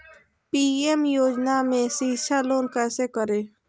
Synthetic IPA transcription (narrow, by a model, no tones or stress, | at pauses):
piːemjoːd͡ʒnamẽsiʃaloːnkɛːsekəɾeː